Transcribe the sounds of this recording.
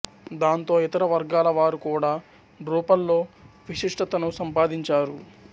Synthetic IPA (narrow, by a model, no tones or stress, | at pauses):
d̪aːnt̪o̞ːit̪ɐɾɐʋɐɾɡaːlɐʋaːɾukuːɽaː | ɖɾuːpɐlːo̞ːʋiʂiʂʈɐt̪ɐnusɐmpaːd̪iɲt͡ʃaːɾu